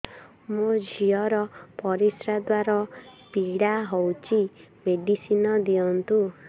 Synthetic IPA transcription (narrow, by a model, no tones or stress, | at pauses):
mod͡ʒʱiɔɾɔpɔɾisɾad̪waɾɔpiɽaɦowt͡ʃi | meɖisinɔd̪iɔnt̪u